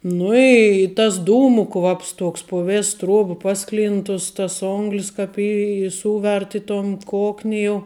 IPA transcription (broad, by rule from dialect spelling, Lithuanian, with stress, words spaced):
ˈnʊ ɪ tɐs ˈduːmʊ ˈkʋɐps ˈtuɔks pʊ ˈʋʲeːs ˈtruɔp ˈpɑːˌsklʲɪnt tʊs ˈtɐs ˈoːŋɡlʲɪs ˈkɐp ɪ ɪ ˈsuːʋʲɛrt ɪ toːn ˈkoːknʲɪ jɛʊ